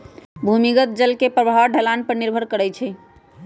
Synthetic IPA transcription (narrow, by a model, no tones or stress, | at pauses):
bʱumiɡət̪̚d͡ʒəlkepɾəbʱawɖʱəlanpəɾniɾbʱəɾkəɾɛjt͡ʃʰɛ